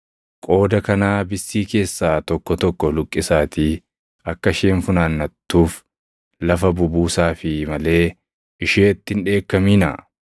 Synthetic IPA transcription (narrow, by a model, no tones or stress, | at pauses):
kʼo̞ːd̪ɐkɐnaːbɪsːiːke̞ːsːaːt̪ɔkːɔt̪ɔkːɔlʊkʼːɪsaːt̪i | ɐkːɐʃeːɱfʊnaːnːɐt̪ːuːf | lɐfɐbʊbuːsaːfɪmɐle̞ː | ʔɪʃeːt̪ːɪnᶑe̞ːkːɐmiːnɐ̰